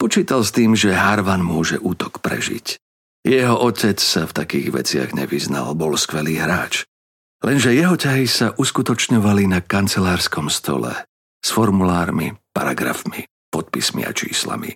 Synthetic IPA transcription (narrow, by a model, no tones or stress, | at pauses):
pɔt͡ʃiːt̪alst̪iːmʒɛɦaɾʋanmʊɔʒɛʔuːt̪ɔ̥kpɾɛ̰ʒḭc | jɛɦɔʔɔcɛt͡ssaft̪akiːɣʋɛ̰t͡sɪa̰ɣɲɛ̰ʋizna̰lbɔlskʋɛliːɦɾaːt͡ʃ | lɛnʒɛjɛɦɔcaɦisaʔuskut̪ɔt͡ʃɲɔʋalinakant͡sɛlaːɾskɔmst̪ɔ̰lɛ̰ | sfɔɾmulaːɾmḭpaɾaɡɾa̰fmi | pɔt̪̚pismḭa̰t͡ʃḭːsla̰mḭ